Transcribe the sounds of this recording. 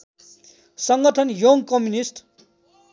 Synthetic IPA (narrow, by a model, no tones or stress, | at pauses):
sʌŋɡʌʈʰʌnjoŋɡkʌmjunisʈ